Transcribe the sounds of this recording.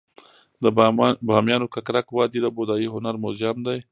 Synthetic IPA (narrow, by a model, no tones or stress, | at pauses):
d̪əbɑmjɑnokakɾakwɑd̪id̪əbod̪ɑjiɦʊnaɾmozɑmd̪aj